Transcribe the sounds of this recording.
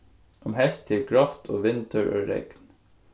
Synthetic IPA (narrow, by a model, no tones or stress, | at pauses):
ʔɔmhɛst̪ʰɪlkʰɹɑft̪ʰo̰ːʋɪnt̪ʰəɹʔø̰ːɹɛ̰ɡ̥n